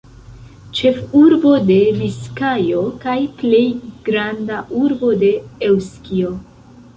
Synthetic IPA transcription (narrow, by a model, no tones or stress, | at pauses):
t͡ʃe̞fuɾbo̞de̞viskajo̞kajple̞jɡ̥ɾandaʔuɾbo̞de̞ewskio̞